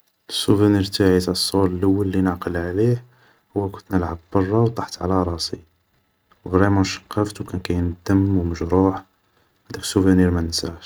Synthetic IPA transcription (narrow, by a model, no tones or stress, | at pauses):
əsːuvæniɾt̪aʕit̪æsˤːollʔəwːəlːinəʕqəlʕlih | hʊwːækʊnt̪nəlʕabbɑrˤːɑwt̪ˤɑħt̪ʕlæɾˤɑsi | wɣɾæmænʃɑ̥qːɑft̪wkænkæjnd̪əmːwməʒɾuħ | d̪ækə̥sːuvæniɾmænənsaʃ